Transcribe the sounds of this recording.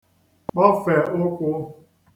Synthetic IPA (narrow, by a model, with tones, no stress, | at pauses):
k͡pɔ˦fe˨ʔʊ˦kʷʊ˦